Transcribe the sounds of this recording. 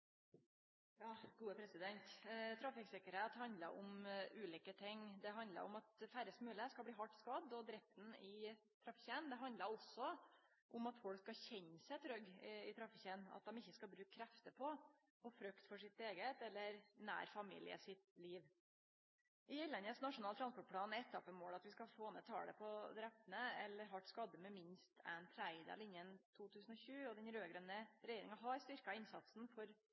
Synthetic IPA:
jɑːɡ̥uːəpʰɾɛsɪd̪ɛnt̪t̪ʰɾɑfɪksɪkəɾheːt̪hɑnd̪ləɾʊmʉːliːkət̪ʰɪŋːd̪ɛɦɑnd̪lə̰ɾʊmɑt̪fæɾəsmʉːləskɑlbliːɦɑʈːskɑd̪ːɔd̪ɾɛft̪n̩ɪ | t̪ʰɾɑfɪçənd̪ɛɦɑnd̪ləɾɔsɔ | ʔʊmɑt̪fɔlkskɑçɛɲːsɛɪt̪ʰɾœɡɪt̪ʰɾɑfɪçənɑ̰t̪̚d̪ɛmɪçːəskɑbɾʉːkkʰɾɛft̪əpʰɔ | ɔfɾœkt̪fɔʂɪt̪eːɡət̪ɛlːəɾnæ̰ːɾfɑmḭːlɪ̰ə̰sɪt̪liːʋ | ʔɪɛlːɛnəsnɑʂʊnɑlt̪ɾɑnspɔʈ̚pʰlɑːnɛt̪ʰːɑpəmoːlɑt̪ʋɪskɑfoːnət̪ʰɑ̰ːɽə̰pʰɔd̪ɾɛpt̪ənəɛlːəɾɦɑʈskɑd̪ːəmɛmɪnst̪ʰæ̰nt̪ʰɾæɪd̪ɑ̰lɪnːjənt̪ʰuːt̪ʰʉːsn̩ɔɕʉːɔd̪ɛnɾøːɡɾœnːəɾɛjeːɾɪŋɑɦɑɾst̪ʏɾkɑɪnsɑt̪sn̩fɔɾ

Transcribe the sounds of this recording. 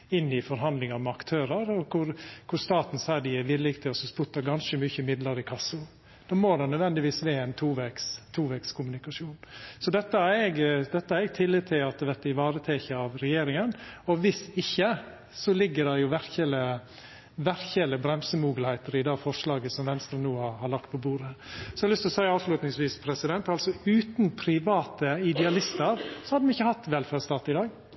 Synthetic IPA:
ɪnːɪfɔɾɦɑnd̪lɪŋɑmɛɑkt̪ʰøːɾəɾɔkʰʊɾkʰʊɾst̪ɑːt̪n̩sæɪɖɪjæɾʋɪd̪lɪkt̪ʰɪlɔsɔspʊt̪ːɑɡɑnʃəmʏçəmɪd̪ləɾɪkʰɑsʊ | d̪̥oːmoːd̪ɛnœd̪ʋɛnd̪ɪʋiːsʋeːɛɪnt̪ʰuːʋɛkst̪ʰuːʋɛkskʰʊmʉnɪkɑʂjuːnsɔd̪ɛt̪ːəæɾɛɡd̪ɛt̪ːəæɾɛɡ̚t̪ʰɪlːɪd̪̚t̪ʰɪlɑt̪̚ɛʋɛt̪ɪʋɑːɾət̪ʰɛːçəɑʋɾɛjeːɾɪŋənɔʋɪsɪçːə | sɔlɪɡːəɖɛjʊʋæɾçələ | ʋæɾçələbɾɛmsəmuːɡəlhæɪt̪əɾɪd̪ɑfɔʂɭɑːɡəsɔmʋɛnst̪ɾənuːhɑhɑɭɑk̚t̪̚pʰɔbuːɾəsɔɛlʏst̪ɔsæɪɑːʋʂlʉːt̪nɪŋsʋiːspʰɾɛsɪd̪ɛnt̪ɑlsɔʉːt̪npʰɾɪʋɑːt̪əɪd̪ɛɑlɪst̪əɾsɔhɑd̪ːəʋɪɪçːəhɑt̪ːʋɛlfæːɾst̪ɑːt̪ɪd̪ɑːɡ

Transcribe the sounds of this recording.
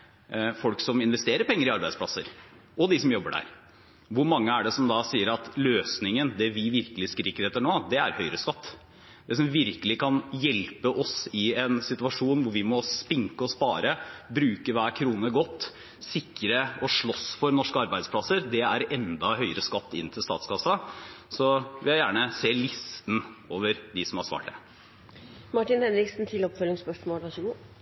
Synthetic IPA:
fɔlksɔmɪnʋɛst̪eːɾəɾpʰɛŋːəɾɪɑɾbæɪspʰlɑsːəɾ | ʔɔd̪ɪsɔmjɔbːəɖæ̰ːɾ | ʋʊɾmɑŋːəæɖɛsɔmd̪ɑsiːəɾɑt̪løːsnɪŋənd̪ɛʋɪʋɪɾkəlɪskəɾɪkːəɾɛt̪ːəɳoːd̪ɛæ̰ɾhœʏɾəskɑt̪ː | d̪ɛs̬ɔmʋɪɾkəlɪkʰɑnjɛlpəʔɔsɪɛnsɪt̪ʉɑʂuːnʋʊɾʋɪmɔspɪŋkəɔspɑːɾəbɾʉːkəʋæːɾkʰɾuːnəɡɔt̪ː | sɪkːɾəɔʂɭɔsfɔɾnɔʂkəɑɾbæɪd̪spʰlɑsːəɾd̪ɛæɾɛnd̪ɑhœʏəɾəskɑt̪ːɪ̰nːt̪ʰɪlst̪ɑ̰ːt̪skɑsːɑsɔʋɪɑjæːɳəseːlɪst̪n̩oːʋəɾd̪ɪsɔmhɑɾʂʋɑ̰ːʈ̚d̪ɛ̰ | mɑʈːɪnhɛnɾɪksn̩t̪ʰɪlɔpfœlːɪŋspœʂmoːlʋɑʃɡu

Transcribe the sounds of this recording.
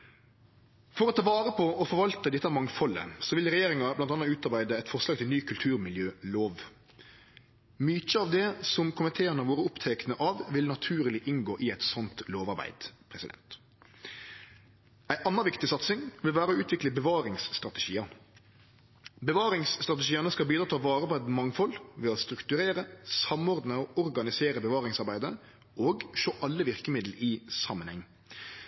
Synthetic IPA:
fɔɾɔt̪ʰɑːʋɑːɾəpʰɔɔfɔɾʋɑlt̪əd̪ɪt̪ːəɑʋmɑŋfɔlːə̰sɔʋɪlʁɛjeːɾɪŋɑblɑnt̪ɑnɑʉːt̪ɑʁbæɪd̪əɛɪt̪fɔʁslɑːɡt̪ʰɪlnyːkʰʉlt̪ʰʉːɾmɪljøːloːʋ | myːc͡çəɑːʋd̪ɛsɔmkʰʊmɪnt̪ʰeːəɾnəʋoːɾəʊpt̪ʰɛknəʔɑʋʋɪlnɑt̪ʰʉːɾəlɪʔɪŋɡoːʔɪɛt̪sɔnt̪loːʋɑɾbæ̰ɪd̪pʰʁɛsɪd̪ɛ̰nt̪ | æɪʔɑnːəɾʋɪkt̪ɪsɑt̪sɪŋʋɪlʋæːɾəɔʉːt̪ʰʋɪkləbəʋɑːɾɪŋsːt̪ʁɑt̪ɛʃiːɑ | bəʋɑːɾɪŋsːt̪ɾʁɑt̪əʃiːɑnəskɑlbiːd̪ɾɑːt̪ʰɑːʋɑːɾəpʰɔɛt̪mɑŋfɔlʋɛɔst̪ɾʉkt̪ʉɾeːɾəsɑmɔɾd̪nəoʔɔɾɡɑnɪseːɾəbəʋɑːɾɪŋsɑɾbæɪd̪ə | ʔoːɡʃoːʔɑlːəʋɪʁkəmɪd̪l̩ɪsɑmːənhɛŋː

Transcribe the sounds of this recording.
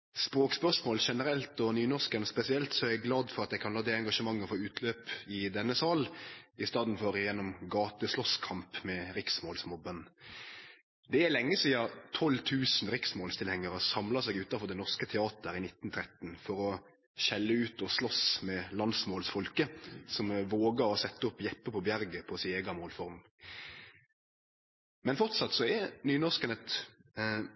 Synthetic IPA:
spɾoːkspœʁʂmoːlʃɛnəɾɛlt̪ɔnyːnɔʁskənspɛsɪɛlt̪sɔææɡlɑːd̪fɔɾɑt̪j̪ɛɪkʰɑnlɑːd̪ɛɛŋɡɑʂəmɑŋːəfɔɾʉːt̪ʰløːpɪd̪ɛnːəsɑːlɪst̪ɑːd̪n̩fɔɾjɛnːɔmɡɑːt̪əslɔskʰɑmpmɛɾɪksmoːlsmɔbən | d̪ɛælɛŋːəsiːɑt̪ʰɔlːt̪ʰʉːsn̩ɾɪksmoːlst̪ɪlhɛŋːəʁəsɑmlɑsɛɡʉːt̪ɑfɔʁd̪ɛnɔʁskət̪ʰɛɑːt̪əɾɪnɪt̪ːnt̪ʰɾɛt̪ːnfɔɾɔ | ɕɛlːəʉːt̪ɔslɔsmɛlɑnd̪smoːlsfɔlkəsɔmʋoːɡəɾɔsɛt̪ːəɔpːjɛpːəpʰɔbjæɾɡəpʰɔsɪeːɡɑmoːlfɔɾm | mɛnfɔʁt̪sɑt̪ːsɔɛɾnyːnɔʁskənət̪

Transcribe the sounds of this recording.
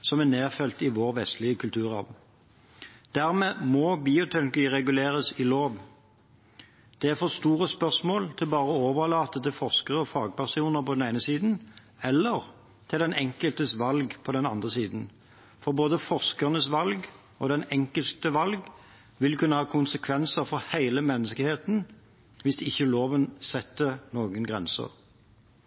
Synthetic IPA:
sɔmɛneːʁfɛlt̪ɪʋoːʁʋɛst̪lɪəkʰʉlt̪ʰʉːʁɑ̰ʋ | d̪̥æʁmeːmɔbiːʊt̪ʰɛnkiːʁɛɡʉleːʁəsɪloːʋ | d̪̥ɛæʁfɔst̪uːʁəspœʁsmoːlt̪ʰɪlbɑːʁəɔoːʋəlɑːt̪ət̪ɪlfɔʁskəʁəɔfɑːɡ̚bɑsɪuːnəʁpʰɔd̪ɛneɪnəsiːd̪n̩ | ɛlːəʁ | t̪ʰɪld̪ɛnɛŋkəlt̪əsʋɑlɡpʰɔd̪ɛnɑnd̪ʁəsiːd̪n̩ | fɔʁboːd̪əfɔʁskəʁnəsʋɑlɡ | ɔd̪ɛnɛŋkəlt̪əʋɑlɡ | ʋɪlkʉnːəhɑːkʰʊnsəkʰʋɛnsəʁfɔʁhæɪləmɛnːəskəheːt̪n̩ | ʋɪsd̪ɪçːəloːʋənsɛt̪ːənoːɡənɡʁɛ̰nsə̰ʁ

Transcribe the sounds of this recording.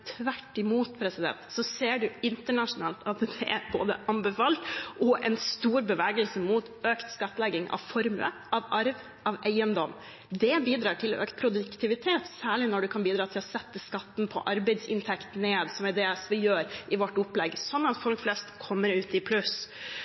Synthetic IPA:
t̪ʰʋæʈːɪmuːt̪pʰɾɛsɪd̪ɛ̰nt̪sɔseːɖʉɪnt̪əɳɑʂʊnɑːlt̪ɑt̪d̪̥ɛ̰ʔæ̰ɾbo̰ːd̪ə̰ʔɑmbəfɑːlt̪ʔɔʔɛ̰nst̪uːɾbəʋæːɡəlsəmut̪øːkt̪skɑt̪ːlɛɡɪŋɑ̰ʋfɔɾmə̰ʔɑʋʔɑɾʋ | ɑʋæɪənd̪ɔm | d̪ɛbiːd̪ɾɑːʈʰɪlɔʔøːkt̪̚pʰɾʊd̪ʉkt̪ʰɪʋɪt̪ʰeːt̪sæːɭɪnɔɖʉkʰɑnbiːd̪ɾɑːt̪ʰɪlhɑsɛt̪ːəskɑt̪ːnpʰɔ̰ʔɑɾbɛɪd̪sɪ̰nt̪ʰɛkt̪neːd̪sɔmæd̪eːlsʋɪjøːɾʔɪʋɔʈːʊplɛɡːsɔnːɑt̪fɔlkflɛst̪kʰɔmːəɾʉːt̪ɪpʰlʉs

